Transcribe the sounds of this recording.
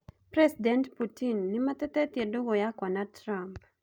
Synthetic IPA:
pɾɛsidɛntputinːɪmat̪ɛtɛtjedoɡɔjakwanatɾamp

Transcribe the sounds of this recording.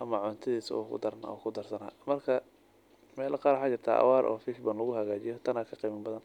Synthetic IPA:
ɐmɐʕɔnt̪ʰɐðiːsɐ̰ɔ̰ːkʰʊ̰d̪ɐɾnɔ̰ːkʰʊd̪ɐrsɐna̰ːmɐrkʰɐ | mɛːlʔɐqɑːɾwħat͡ʃɪrt̪ʰa̰ːʔɐ̰wɑːɾʔɔ̰ːfiʃbɐnlɐɣʊhɐɣaːt͡ʃɪjɔt̪ʰɐnaːkʰɐqiːmɐnbɐðɐn

